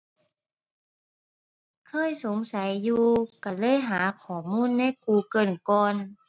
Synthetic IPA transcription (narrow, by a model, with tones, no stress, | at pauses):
kʰɤː˧˥˨jso˨˦ŋsa˨˦jːuː˧ka˧˩lɤː˧˥˨jɦaː˩˦kʰɔː˨˩muː˧˥˨nːa˧˥˨jkuː˧˩kɤː˧˩nkɔː˧n